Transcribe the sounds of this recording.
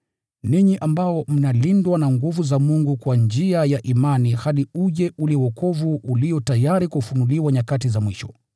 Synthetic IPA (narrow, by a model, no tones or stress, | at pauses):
niɲiʔambaɔm̩nalindwanaŋɡuvuzamuŋɡukwand͡ʒiajaʔimanihaɗiuʄɛʔuliwɔkɔvuʔːliɔtajaɾikufunuliwaɲakatizamwiʃɔ